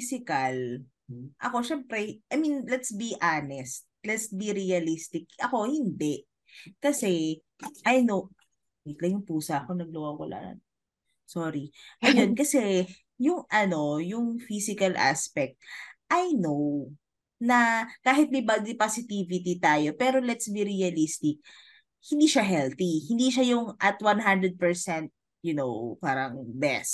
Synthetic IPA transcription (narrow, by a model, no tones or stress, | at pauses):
sɪkɐl | ʔɐ̰ko̞ʃɛmpɾɛʔɐjminlɛt̪sbiʔanɛst̪̚lɛt̪sbiɾiɐlist̪ɪk̚ʔɐko̞hɪnd̪ɛʔ | kɐsɛ | ʔɐjnow | k̪lɐjʊŋpuːsɐʔkonɐɡ̚lɐwawwɐla̰ːɐ̰n | soɾiʔɐjonkɐsɛ | jʊŋʔɐno̞jʊŋfisɪkɐlʔa̰spɛk̚t̪̚ʔɐjnow | nɐkaːɦɪt̪̚mɪbɐɡ̚d̪ɪpasɪt̪iːvɪt̪̬it̪aːjo̞pɛːɾolɛt̪sbiɾiɐlist̪ɪk̚ | hɪnd̪iːʃɐɦɛlt̪ihɪnd̪iʃajʊŋʔɐt̪wanɦand̪ɾɛd̪̚pɛɹsɛnt̪̚ | jʊno̰wpaːɾɐŋbɛ̰st̪